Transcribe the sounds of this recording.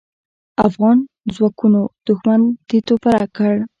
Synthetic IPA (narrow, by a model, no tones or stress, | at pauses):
afɣɑn | zwɑkunod̪̥ʊxmand̪̥it̪opaɾakəɽ